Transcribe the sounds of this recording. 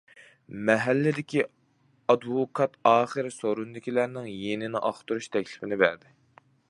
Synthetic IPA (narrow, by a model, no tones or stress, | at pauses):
mɛɦælːɪd̪ɪkʲi | ɑd̪wokʰɑt̪ɑːχəɾɪsoɾund̪ɪkʲilæɾnɪŋjenɪnɪʔɑχt̪uɾuʃt̪ʰɛkʲlɪfɪnɪbæɾd̪ɪ